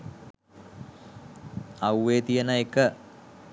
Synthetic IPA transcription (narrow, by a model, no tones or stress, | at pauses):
awʋeːt̪ijənəekə